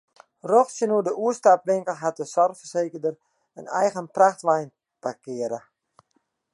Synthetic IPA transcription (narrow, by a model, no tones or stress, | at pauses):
roxsjənuədəuəstapʋɪŋkəlˠɦat̚dəsɔrfərseːkərdər | ənɛ̰jɣənpraxtʋɛjn | pakɪəɾə